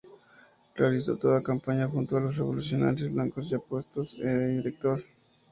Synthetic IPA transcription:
realis̬o̞̰t̪o̞ðakampaɲaxunt̪oalo̞sreβo̞lusjo̞na̰ɾjozβlaŋkosʝapwe̞st̪o̞seðeiɾek̚t̪o̞ɾ

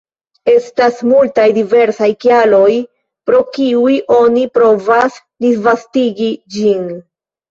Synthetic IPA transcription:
e̞stasmultajdive̞ɾsajkialo̞j | pɾo̞kiujʔo̞nipɾo̞vas | disvastiɡid͡ʒin

